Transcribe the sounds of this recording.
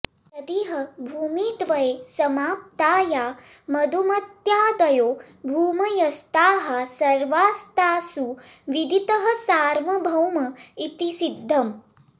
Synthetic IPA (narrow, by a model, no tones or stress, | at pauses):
t̪ɐd̪iɦɐbʱuːmiːt̪ʋɐjesɐmaːp̚t̪aːjaː | mɐd̪ʱumɐt̪jaːd̪ɐjoː | bʱuːmɐjɐst̪aːɦɐsɐɾʋaːst̪aːsu | ʋid̪ʱit̪ɐɦɐ̆saːɾmɐbʱɐwmɐit̪isid̪ʱːɐm